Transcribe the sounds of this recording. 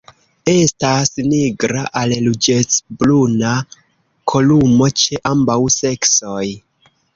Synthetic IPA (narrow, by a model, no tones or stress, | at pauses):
e̞stasniɡɾaʔallud͡ʒe̞t͡sbluna | kʰo̞lumo̞t͡ʃe̞ʔambawse̞kso̞j